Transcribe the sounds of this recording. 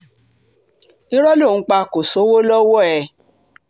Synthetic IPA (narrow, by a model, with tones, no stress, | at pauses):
i˦ɾɔ˦lõ˦˨˦k͡pa˧ko˨so˨˦wo˦lɔ˦wɔ˦ɛ˨